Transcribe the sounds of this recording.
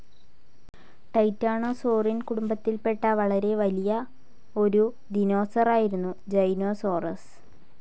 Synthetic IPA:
ʈɐjtːaːɳoːsoːrinkuɽumbɐt̪ːilpe̞ʈːɐʋɐɭɐɾe̞ʋɐlijɐ | o̞ɾu | d̪ino̞ːsɐraːjiɾunːud͡ʑɐjno̞ːso̞ːrɐs

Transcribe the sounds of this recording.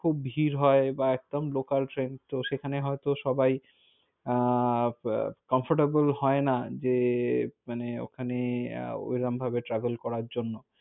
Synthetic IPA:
kʰubbʱiɾɦɔebaɛk̚d̪omlokalʈɾent̪oʃekʰaneɦɔet̪oʃɔbaj | kɔmfʰoɾʈabolɦɔenad͡ʑemaneo̰kʰanḛo̰jɾambʱabeʈɾɛbelkɔɾaɾd͡ʑonːo

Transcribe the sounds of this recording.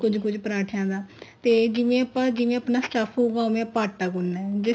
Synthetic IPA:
kʊd͡ʒkʊd͡ʒpɾaːʈʰjãːd̪aːt̪eːd͡ʒɪjẽːəpãːd͡ʒɪjẽːəpnaːsʈaːpʰɦoːɡaːmẽːpaːʈːaːɡʊnːɛːd͡ʒɪ

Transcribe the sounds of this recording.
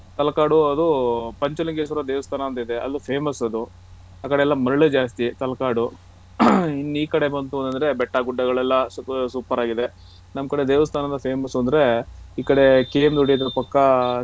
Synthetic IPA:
t̪ɐlɐkaːɽuɐd̪upɐɲt͡ʃɐlɐŋɡesɐɾɐd̪eːʋɐst̪ʰaːnɐɐnt̪ɐid̪e̞ʔɐ̰d̪upʰeːmɐsɐd̪u | aːkɐɽeɛlːɐmɐɾɭed͡ʒaːst̪it̪ɐlɐkaːɽu | inːuiːkɐɽe̞bɐnt̪uoɐnt̪ɐnd̪ɐɾe̞bɛʈːaɡuɖːɐɡɐɭɛlːɐsuːpːɐɾaːɡid̪e | nɐmkɐɽed̪eːʋɐst̪ʰaːnɐnd̪ɐpʰeːmɐsuɐnd̪ɐɾe̞iːkɐɽe̞keːmd̪uɽijɐd̪ɐɾɐpɐkːɐ

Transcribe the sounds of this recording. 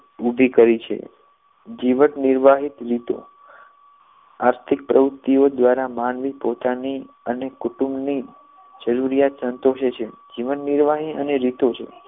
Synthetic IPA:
ubʱikəɾit͡ʃʰḛ | d͡ʒiʋənniɾʋaɦit̪ɾit̪o̰ | aɾt̪ʰɪk̚pɾʔəʋʊt̪ːiod̪ʋaɾamanʋipot̪ani | ənekuʈũmbni | d͡ʒəɾuɾijat̪sənt̪oʃet͡ʃʰed͡ʒiʋənːiɾʋaɦiə̰neɾit̪ot͡ʃʰḛ

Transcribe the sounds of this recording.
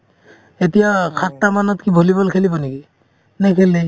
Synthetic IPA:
etijakʰatːamanɔtkibʱolibɔlkʰelibɔneki | nɛkʰelɛ

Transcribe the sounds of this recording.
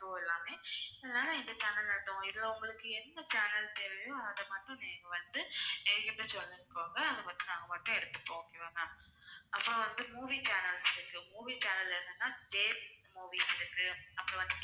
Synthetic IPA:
oːɛlːaːmeːɛlːaːlɐ̃ɪnd̪ɐt͡ʃaːnɐlɛɾɯt̪ːõːŋɡɐɪðɪlːɐɔŋɡɐɭɯkːɯɛnd̪ɐt͡ʃaːnɐlt̪eːʋɐjõɐɐðɐmɐʈɾʊ̃neːŋɡɐʋɐnd̪ɯnɛɾkːɪʈːɐ̃sɔlːɪɾɯkːoːŋɡɐɐnðd̪ɐpɐt̪ːinãːŋɡɐpɐːʈːɐ̃ɛɽɯt̪ːɯ̥ʈːõokːeːʋɐnaː | ɐpːoʋɐnd̪ɯmuːʋiːt͡ʃaːnɐlsɪɾɯkːɯmuːʋiːt͡ʃaːnɐlɛɾɯnd̪ɯnːaːd͡ʒeːmuːʋiːsɪɾɯkːɯnɐpːɐʋɐnd̪ɯ

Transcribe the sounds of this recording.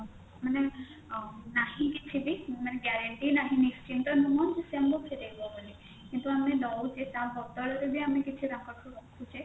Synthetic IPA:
mane | naɦĩkit͡ʃʰibimaneɡɛɾeɳʈinaɦĩnist͡ʃint̪ɔnumɔnd͡ʒesɛmbokʰeɾebɔbəli | kint̪uamenɔt͡ʃʰet͡ʃãbʱɔɡ̚t̪ɔɭet̪eb̪ʱiamekit͡ʃʰiɾãkɔʈʰuɾɔkʰũt͡ʃʰe

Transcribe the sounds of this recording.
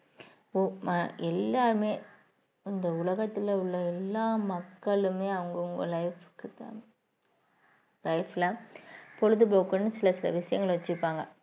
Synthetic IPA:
omaʔɛlːaːɾmeː | ɪnd̪ɐʊɭɐɣɐt̪ːɪlɐʊɭːɐɛlːaːmɐkːɐɭɯmeːɐʋɐŋɡɐʊŋɡɐlɐɪfkːɯt̪aː | lɐɪflɐpɔɻɯðɯpoːkːɯnːɯsɪlɐsɪlɐ̰ʋɪʂɐjɐŋɡɐɭʋɐt͡ʃːɯɾpːaːŋɡɐ

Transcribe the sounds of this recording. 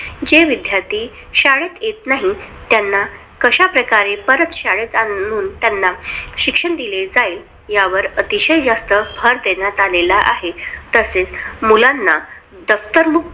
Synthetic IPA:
d͡ʑeʋid̪ʱjaɾt̪iː | ɕaɭet̪jet̪naɦit̪janːa | kəɕapɾəkaɾepəɾət̪ɕaɭet̪auːnt̪janːaɕikʂəɳd̪iled͡zaiːl | jaʋəɾət̪iɕəjd͡zast̪əbʰʱəɾd̪eɳjat̪alelaʔa̰ɦet̪əset͡smulanːa | d̪əft̪əɾmuk̚

